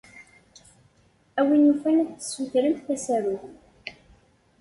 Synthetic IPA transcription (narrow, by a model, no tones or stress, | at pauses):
æwinufænædθə̥suθɾənt̪θæsæɾuθ